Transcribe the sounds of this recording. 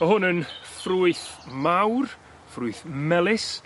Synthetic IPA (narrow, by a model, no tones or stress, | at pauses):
ɔhʊnənfruːɨθmawr | fruːɨθmɛlˠɪs